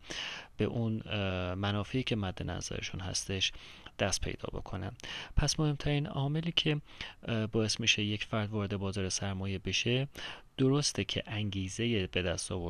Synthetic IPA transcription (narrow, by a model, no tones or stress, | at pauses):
b̥e̞̰ʔunmænɒːfeiːcʰe̞mæd̪ːe̞næ̰zæ̰ɾḛʃunhæ̰st̪e̞ʃ | d̪̥æst̪̚pʰejd̪ɒ̰ːbo̞̰kʰo̞̰næ̰mpʰæsmo̞he̞mt̪ʰæɾiːnɒ̰ːme̞liːcʰe̞ | bɒːe̞smiʃe̞jecfæɾd̪vɒːɾed̪ebɒːzɒːɾesæɾmɒːje̞be̞ʃe̞d̪̥oɾost̪ʰecʰe̞̰ʔæŋɟiːze̞jebe̞d̪æst̪ɒːvo